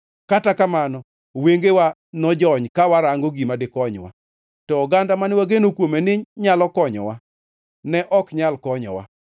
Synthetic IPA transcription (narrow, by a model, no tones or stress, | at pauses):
katakamanɔ | weŋɡewa | nɔd͡ʒɔɲkawaɾaŋɡoɡimadɪkɔɲwa̰ | tɔːɡandamanɪwaɡenokwomenɪɲalɔkɔɲɔ̰wa | nɛʔɔkɲalkɔɲɔ̰wa̰